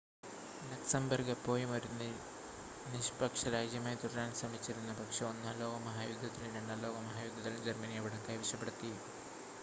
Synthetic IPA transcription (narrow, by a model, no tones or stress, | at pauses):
lɐksɐmbɐrɡɐpːo̞ːjimɐɾunːi | niʂpɐkʂɐɾaːd͡ʑjɐmaːjt̪uɽɐɾaːnsɐmit͡ɕːiɾunːɐpɐkʂeonːaːlo̞ːɡɐmɐɦaːjud̪ʱːɐt̪ːiliɖɐɳːɐlo̞ːɡɐmɐɦaːjud̪ʱːɐt̪ːilumd͡ʑermɐnijɐʋiɽɐkːɐːjʋiʂɐpːeɽut̪ːi